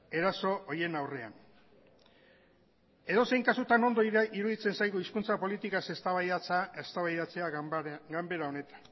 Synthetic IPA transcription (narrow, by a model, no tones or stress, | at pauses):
e̞ɾaso̞ʔoje̞nawre̞a̰n | e̞ðo̞se̞jŋkasut̪ano̞nd̪oiɾuðit͡se̞nsajɣuiskunt͡sapo̞lit̪ikase̞st̪aβaat͡sest̪aβajðat͡se̞aɡambe̞ɾao̞ne̞t̪ḁn